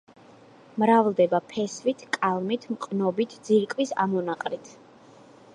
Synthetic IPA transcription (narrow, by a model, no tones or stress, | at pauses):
mɾavlˠd̪ɛbapʰɛsvit̪ʰkʼalˠmit̪ʰmqʼnɔbit̪ʰd̪ziɾkʼwisa̰mɔnaqʼɾit̪ʰ